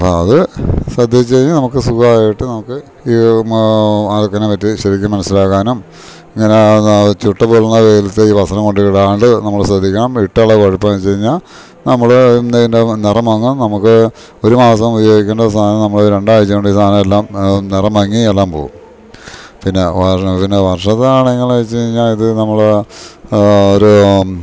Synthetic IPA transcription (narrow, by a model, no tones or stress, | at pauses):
ɐpoːɐðɨsrɐd̪ʱjet͡ɕːeɻiɲːɨnɐmukːɨsukɐaːjjiʈːɨnɐmukːɨ | iː | aðokːɐnepɐtːiɕɐɾikʲːumːɐnɐsilaːkːaːnum | iŋːɐnet͡ɕuʈːɐpuɭːunːɐʋeːlɐt̪ːeiːʋɐsɐnɐŋko̞ɳɖɨkiɽaːuɳɖɨnɐmːɐɭsrɐd̪ʱːikʲːɐɳɐmiʈːaɭːɐkoɻupːɐmt͡ɕeɻiɲːaːl | nɐmːɐɭnendenirɐmɐŋːumnɐmukːɨ | o̞ɾumaːsɐmubɐjoːɡikʲːɐnɖɐst̪ʰaːnɐmnɐmːɐɭoɾuɾe̞ɳɖaːjit͡ɕːɐoɳɖɨiːst̪ʰaːnɐmelːaːmnirɐmɐŋːielːaːmpo̞ːɣum | pinːe̞ʋɐpinːeʋɐrʂɐt̪ːaːɳeŋːɐɭat͡ɕːeɻiɲːaːliðɨnɐmːɐɭ | oɾu